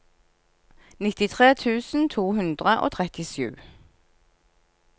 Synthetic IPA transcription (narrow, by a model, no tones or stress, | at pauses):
nɪt̪ɪt̪ʰʁeːt̪ʰʉːsn̩t̪ʰuːhʉnd̪ʁəʔo̰ːt̪ʰʁɛt̪ɪʃjʉ̰ː